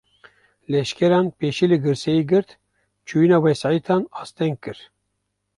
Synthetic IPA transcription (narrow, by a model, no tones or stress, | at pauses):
lɛʃkɛɾɑːnpeːʃiːlɨɡɨɾsɛjiɡɨɾt̪ | t͡ʃʰujinɑːwɛsɑːit̪ʰɑːnɑːst̪ɛŋɡ̚kɨɾ